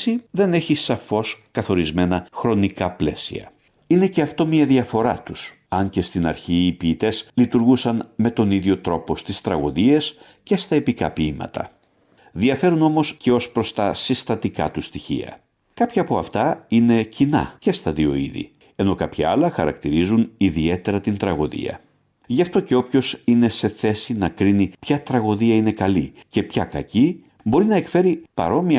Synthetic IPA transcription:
siðe̞neçisɐfo̞skɐθo̞ɾizme̞nɐxɾo̞nikɐple̞̰siɐ̰ | ine̞ce̞ɐft̪o̞miɐðiɐfo̞ɾɐt̪us | ɐɲce̞st̪inɐɾçiːpiːt̪e̞zlit̪uɾɣusɐnme̞t̪o̞niðʝo̞t̪ɾo̞po̞st̪ist̪ɾɐɣoðie̞s | ce̞st̪ɐepikɐ̰piimɐ̰t̪ɐ̰ | ðiɐfe̞ɾuno̞mosceo̞spɾost̪ɐsist̪ɐt̪ikɐ̰t̪ust̪içḭɐ̰ | kɐpçɐːpo̞ɐft̪ɐine̞cinɐ̰ce̞st̪ɐðio̞̰ḭðḭ | e̞no̞kɐpçɐɐlɐxɐɾɐ̰kt̪iɾizuniðie̞t̪e̞ɾɐt̪int̪ɾɐɣo̞ðḭɐ̰ | ʝɐft̪o̞ce̞o̞pço̞sine̞se̞θe̞sinɐkɾinipçɐt̪ɾɐɣo̞ðiɐine̞kɐlice̞pçɐkɐci | bo̞ɾinɐe̞kfe̞ɾipɐ̰ɾo̞mi

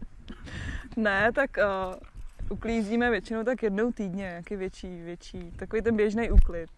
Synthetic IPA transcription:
nɛt̪akː | ʔukliːziːmɛvjɛt͡ʃɪnowt̪akjɛdnowt̪iːdɲɛɲaːkɪvjɛt͡ʃiːvjɛt͡ʃiːt̪akoʋejt̪ɛnbjɛʒnejʔuklɪt̪̚

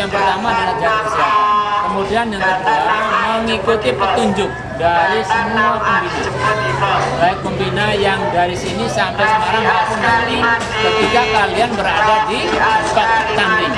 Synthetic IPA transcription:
aŋpərt̪amadalad͡ʒaɾasakəmudianjaŋlaəsaɾaməŋikut̪ipət̪uɲd͡ʒʊk̚daɾisəmuapəmbina | baɪkəmbinajaŋdaɾisinisampajsəmaɾaŋbakuŋdasini | kət̪ikakalianbəɾadad̪ipat̪̚t̪ambiŋ

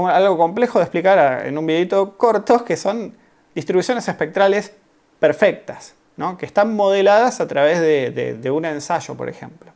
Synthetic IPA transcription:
alɣo̞ko̞mple̞xoð̞ehplikaɾaḛnũmbiðeit̪o̞ko̞ɾt̪o̞keso̞n | d̪ist̪ɾiβusjonesehpek̚t̪ɾales | peɾfek̚t̪as | no̞kest̪anmo̞ð̞elaðasat̪ɾaβ̞ezðeðḛðeunẽ̞nsaʒo̞̰po̞ɾḛxe̞̰mplo

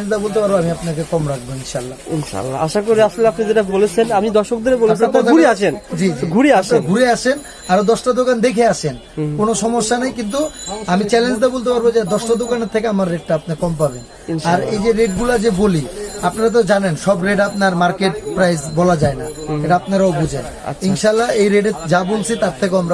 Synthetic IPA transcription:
nd͡ʑd̪abolt̪̬epaɾboamiapnakekɔmɾak̚ʰboinʃalːainʃa̰lːa̰a̰ʃakoɾeaʃoleapnid͡ʑeʈabolet͡ɕʰenaid̪ɔɾʃokd̪eɾebolapnak̪auɾɾaʃʰend͡ʑid͡ʑɡʱuɾeaʃeɡʱuɾeaʃʰen | aɾod̪ɔʃʈad̪okand̪ekʰeaʃʰen | konoʃɔmoʃːanajkint̪̬uamit͡ɕɛlend͡ʑd̪abolt̪epaɾbod͡ʑed̪ɔʃʈad̪okaneɾt̪ʰekeamaɾːeɖ̚ʈaapnakɔmpaben | aɾejd͡ʑeɾeʈ̚ɡulad͡ʑeboliapnaɾat̪̬od͡ʑanenʃɔbɾeɖapnaɾmaɾkeʈ̚pɾajsbɔlad͡ʑaenaeʈaapnaɾaobʱud͡ʑʱḛn̰ | inʃalːaejɾeɖed͡ʑabolsʰit̪aɾt̪ʰek̬eoamɾa

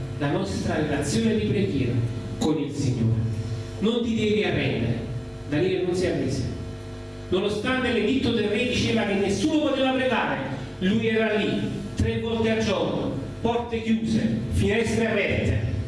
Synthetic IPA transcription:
lanɔst̪ɾaɾelat̪sːjoːned̪ipɾeɡjɛːɾa̰ | konilsiɲːo̰ːɾe | nont̪id̪ɛːviarːɛnd̪ḛɾḛ | d̪aliːɾenːonsiamːesḛ | nonost̪ant̪eled̪it̪ːod̪erːed̪it͡ʃeːvak̟enːesːuːnopot̪eːvapɾeɡaːɾe | lujɛːɾalːit̪ɾevːɔlt̪ead͡ʒːɔno̰ | pɔrt̪ek̟juːzḛfinɛst̪ɾearːɛt̪ːḛ

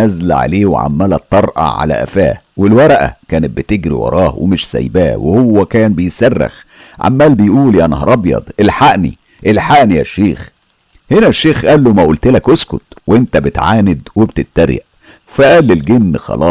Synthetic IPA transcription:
æzlʕa̰leːwḛʕa̰mːælæt̪ˤːɑɾˤʔɑ̰ʕa̰læ̰ʔæ̰fæ̰ː | welwɑɾˤɑʔæ̰kæːnet̪̚bet̪eɡɾḭwɑ̰ɾˤɑːhwḛmeʃsæ̰jbæːwḛhowːækæːnbejesærːḛx | ʕa̰mːæːlbejʔuːljæʔænhɑɾˤɑbjɑ̰d̪ˤʔelħaʔnḭ | ʔelħaʔnijæʃːeːx | henæʃːeːxʔæːlːomæʔuːlt̪elækʔoskot̪weʔent̪æbet̪ʕaːned̪webt̪et̪ːæɾjæ̰ʔ | fæʔæːlːelɡenːxɑ̰lɑː

